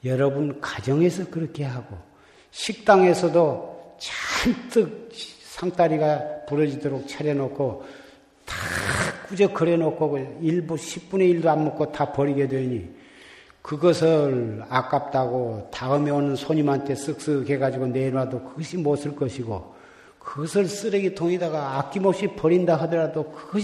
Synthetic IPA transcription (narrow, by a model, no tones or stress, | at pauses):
jʌɾʌbunkad͡ʑʌŋe̞sʰʌkɯɾʌkʰe̞ɦaɡo | ɕʰik̚t͈aŋe̞sʰʌdot͡ɕant͈ɯk̚sʰaŋt͈aɾiɡapuɾʌd͡ʑidoɾok̚t͡ɕʰaɾjʌnokʰo | tak͈ud͡ʑʌkʌɾenokʰoiɭbuɕʰip̚p͈une̞iɭdoammokʰotapʌɾiɡe̞dweɲi | kɯɡʌsʰɯɭak͈ap̚t͈aɡotaɯmeonɯnsʰoɲimantʰe̞s͈ɯk̚s͈ɯɡe̞ɡad͡ʑiɡoneɾadokɯɡʌɕʰimosʰɯɭk͈ʌɕʰiɡo | kɯɡʌsʰɯɭs͈ɯɾeɡitʰoŋedaɡaak͈imop̚ɕ͈ipʌɾindaɦɯdʌɾadokɯɡʌɕ